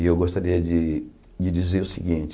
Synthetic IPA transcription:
ewɡost̪aɾiɐd͡ʒi | d͡ʒid͡ʒizeɾʊsiɡĩnt͡ʃ

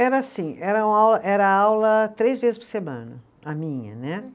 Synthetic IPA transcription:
ɛɾɐasĩɛɾɐũawlɐʔɛɾɐawlɐt̪ɾejzvezɪspoɾsemɐ̰̃nɐ̰ | ɐmĩɲɐ̰nɛ

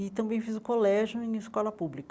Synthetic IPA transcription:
ɪt̪ɐ̃mbẽj̃fizʊkolɛʒjʊẽɪskɔlɐpublik

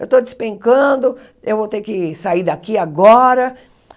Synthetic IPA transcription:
ewt̪od͡ʒ̪ɪspẽŋkɐ̃d̪ʊ | ewvowt̪eɾkɪsaiɾd̪akiaɡɔɾɐ

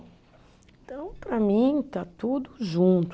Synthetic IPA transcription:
ẽt̪ɐ̃w̃pɾɐmĩt̪at̪ud̪ʊʒũnt̪

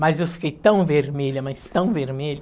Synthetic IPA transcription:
mɐzewfi̥kejt̪ɐ̃w̃veɾmeʎɐmɐst̪ɐ̃w̃veɾmelʊ

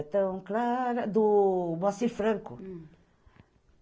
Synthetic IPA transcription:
t̪ɐ̃w̃klaɾɐd̪uβɔ̃siɾfɾɐ̃ŋku

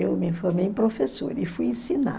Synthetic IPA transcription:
ewmɪĩfoɾmej̃pɾofeso̰ɾɪfujẽsina̰

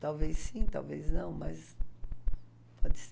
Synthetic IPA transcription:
t̪awvessĩt̪a̰wveznɐ̃w̃mɐs | pʰɔd͡ʒɪs

